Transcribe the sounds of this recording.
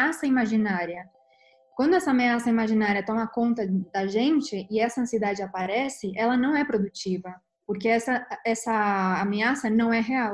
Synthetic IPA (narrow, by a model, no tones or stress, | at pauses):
asɐimaʒinaɾiɐ | kwɐ̃nd̪ʊɛsɐameasɐimaʒinaɾiɐt̪ɔ̃mɐkõnt̪ɐd̪ɐʒẽnt͡ʃɪʔɪɛsɐɐ̃sied̪ad͡ʒɪapaɾɛsɪʔɛlɐnɐ̃w̃ɛpɾod̪ut͡ʃivɐ | poɾkeɛsɐɛsɐːmeasɐnɐ̃w̃ɛɦeaw